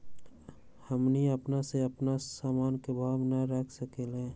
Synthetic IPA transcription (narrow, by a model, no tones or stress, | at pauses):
həmniəpnaseəpnasaːmaːnkebʱaːbnaɾəkʰsəkelẽ